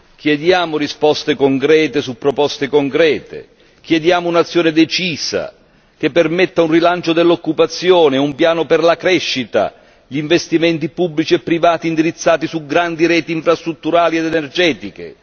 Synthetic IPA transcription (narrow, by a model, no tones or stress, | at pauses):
k̟jɛd̪jaːmʊrispɔst̪ekoŋkɾɛːt̪esupːɾɔpɔst̪ekoŋkɾɛːt̪ḛ | k̟jɛd̪jaːmoʊunat̪sːjɔːnɪd̪ɛt͡ʃiːsa̰ | k̟epːermɛt̪ːaunrilant͡ʃʊd̪elːokːupat̪sːjɔːneumpjaːnʊpɪrlakɾɛʃːit̪a̰ | ʎiːɱvest̪imɛnt̪ipubːlit͡ʃiɛpːɾivaːt̪iːnd̪iɾit̪sːaːt̪isuɡɾand̪iɾɛːt̪iːɱfɾast̪ɾut̪ːuɾaːlied̪ɛnɛrd͡ʒɛːt̪ikḛ